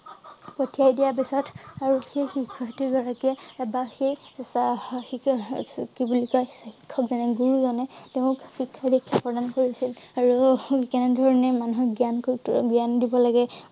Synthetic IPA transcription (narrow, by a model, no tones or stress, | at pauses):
potijajdijap̬isɔtʰaɹuxejxikʰːɔktiɡɔɹakiɛbaxejsxi | kibulikɔxikʰːɔkzɛnɛɡuɹuzɔnɛteʊkxikʰːadekʰːapɹɔdankoɹisilaɹukɛnɛdʱɔɹɔnɛmanuɦɔɡiankɡijandibɔlaɡɛ